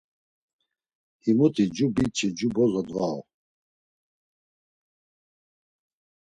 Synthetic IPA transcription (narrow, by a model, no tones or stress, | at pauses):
himut̪ʰid͡ʒubit͡ʃʰʼid͡ʒubɔzɔd̪vaɔ̰